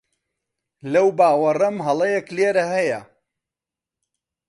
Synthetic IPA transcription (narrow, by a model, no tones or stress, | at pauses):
lɐwbaːwɐrɐmɦɐlˠɐjekleːɾɐɦɐjɐ